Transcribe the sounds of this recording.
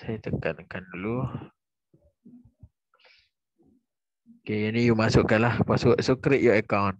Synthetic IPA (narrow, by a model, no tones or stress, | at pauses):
sajat̪əkat̪̚kandulu | okejanijumasʊʔkːanlahpasuʔsukɾiʔ̪juəkawn